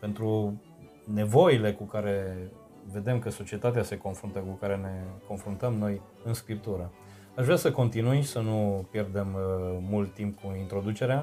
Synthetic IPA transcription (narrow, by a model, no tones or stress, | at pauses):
pe̞nt̪ɾu | ne̞vo̞ile̞kukaɾe̞ | ve̞d̪e̞mkəso̞t͡ʃie̞t̪at̪ease̞ko̞nfɾunt̪əkukaɾe̞ne̞ko̞nfɾunt̪əmno̞j | ɨnskɾip̚t̪uɾə | aʃvɾeasəko̞nt̪inujisənupje̞rd̪e̞mːult̪ːimp̚kuint̪ɾo̞d̪ut͡ʃe̞ɾea